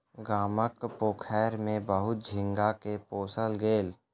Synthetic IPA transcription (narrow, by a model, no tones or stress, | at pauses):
ɡaːməkpoːkʰɛːɾmẽbəɦʊt̪̚d͡ʒʱɪ̃ŋɡakepoːsəlɡeːl